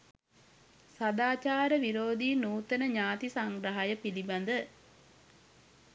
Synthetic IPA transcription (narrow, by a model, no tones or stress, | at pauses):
sad̪aːt͡ʃaːɾəʋiɾoːd̪iːnuːt̪ənəɲaːt̪isaŋɡɾəɦajəpiliband̪ə